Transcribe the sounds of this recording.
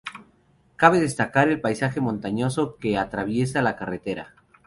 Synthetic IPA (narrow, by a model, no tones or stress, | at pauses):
kaβe̞ðe̞st̪akaɾe̞lpajsaxe̞mont̪aɲo̞so̞ke̞at̪ɾaβje̞s̬alakaret̪e̞ɾa̰